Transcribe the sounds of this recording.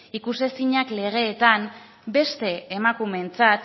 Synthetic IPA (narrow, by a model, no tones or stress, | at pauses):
ikuse̞siɲakle̞ɣ̞e̞ːt̪am | be̞st̪e̞ːmakume̞nt͡sat̪